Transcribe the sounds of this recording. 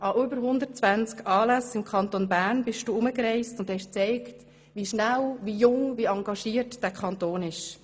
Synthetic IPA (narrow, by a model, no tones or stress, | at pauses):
ʔɑʔʏbəɾɦʊndəɾt̚t͡sʋænt͡skʰɑːlæsɪmkʰɑntonbæːɾnbɪʃtd̥uːʊməkrɛɪstʊnd̥hɛʃt͡sɛɪkt | ʋiʃnælʋijʊŋʋiɑŋɡɑʃiːəɾtd̥æːkʰɑntoːnɪʃ